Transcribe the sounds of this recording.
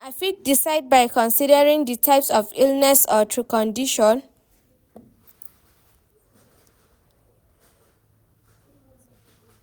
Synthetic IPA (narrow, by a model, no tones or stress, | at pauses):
afik̚disaɪd̚baɪkɔ̃nsidəɹĩŋditʰaɪpsɔfilnɛsɔtʰɹukɔ̃ndiʃɔ̃n